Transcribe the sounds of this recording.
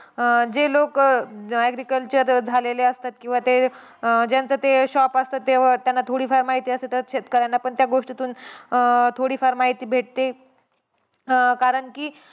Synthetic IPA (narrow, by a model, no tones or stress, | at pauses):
d͡ʑelokæɡɾikəlt͡ɕəɾd͡zʱaleleəst̪at̪kĩw̃ʋat̪e | d͡ʑjant͡sət̪eɕɔpəst̪ət̪ːeʋat̪janːat̪ʰoɽiːfaɾmaɦit̪iːəset̪əɕet̪kəɾajnːapəɳt̪jaɡoʂʈit̪uːn | t̪ʰoɽiːfaɾmaɦit̪iːbʱeʈ̚t̪e | kaɾəɳkiː